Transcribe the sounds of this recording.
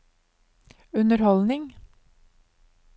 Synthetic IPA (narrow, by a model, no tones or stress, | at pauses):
ʉnəɾhɔlnɪŋ